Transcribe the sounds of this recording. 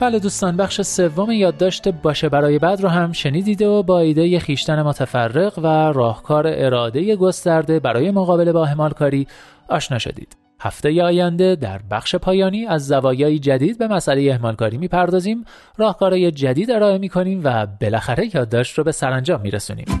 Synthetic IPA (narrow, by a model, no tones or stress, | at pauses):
b̥æːled̪uːst̪ɒːnbæχʃe̞se̞vːo̞mejɒːd̪ːɒːʃt̪ebɒːʃebæɾɒːje̞bæd̪roɦæmʃe̞niːd̪iːd̪obɒːiːd̪ejexiːʃt̪æne̞mot̪ʰæfærːe̞ɣværɒːhkʰɒːɾeʔeɾɒːd̪e̞je̞ɡo̞st̪æɾd̪e̞bæɾɒːje̞moɣɒːbe̞lebɒːehmɒːlkʰɒːɾiː | ɒːʃnɒːʃo̞̰d̪ḭːd̪̥ | hæ̰ft̪ejeɒːjænd̪e̞d̪æ̰ɾbæχʃe̞pʰɒːjɒːniːæzːævɒːjɒːjid͡ʒæd̪iːd̪̚be̞mæsʔæle̞jeehmɒːlkʰɒːɾiːmiːpʰæɾd̪ɒːziːm | rɒːhkʰɒːɾɒːje̞d͡ʒæd̪iːd̪e̞ɾɒːe̞miːkʰo̞niːmvæbe̞læxæɾe̞jɒːd̪ːɒːʃt̪robe̞sæɾænd͡ʒɒːmːḭːɾesṵːnḭːm